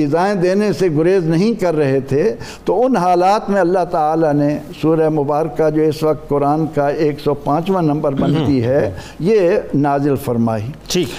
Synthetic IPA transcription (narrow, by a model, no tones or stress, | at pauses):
ɪzaːẽd̪eːneseɡʊɾeːznɐɦĩkɐɾːɐɦet̪ʰet̪oʊnɦaːlaːt̪mẽɐlːaɦt̪aːlanesuːɾamʊbaːɾəkad͡ʒoːɪsʋɐk̚t̪̚kʊɾaːnkaeːksɔpãːt͡ʃʋə̃nnːɐ̃mbəɾbɐ̃nt̪iɦɛ | jenaːzɪlfɐɾmaːiːʈʰiːk